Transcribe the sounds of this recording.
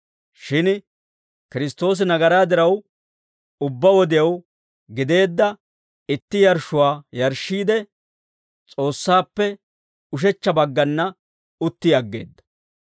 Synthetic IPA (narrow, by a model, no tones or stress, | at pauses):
ʃɪn | kɪɾɪst̪ːo̞ːs̬ɪnɐɡɐɾaːd̪ɪɾɐw | ʊbːɐwɔd̪ɪjɐw | ɡɪd̪e̞ːd̪ːɐ | ɪt̪ːɪjɐɾʃʊwaːjɐɾʃːiːd̪ɛ | t͡sʼo̞ːsːaːpːɛ | ʊʃ̬ɛt͡ʃːɐbɐɡːɐnːɐ | ʊt̪ːɪjɐɡːe̞̰ːd̪ːɐ̥